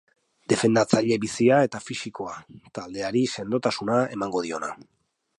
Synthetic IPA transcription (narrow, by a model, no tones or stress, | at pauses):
d̪e̞fe̞nd̪at͡saʎe̞βisiae̞t̪afisiko̞at̪ald̪e̞aɾise̞nd̪o̞t̪asunae̞maŋɡo̞ðio̞na